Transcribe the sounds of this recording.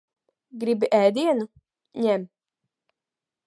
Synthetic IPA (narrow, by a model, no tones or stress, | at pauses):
ɡɾibiʔɛjd̪iɛnu | ɲɛm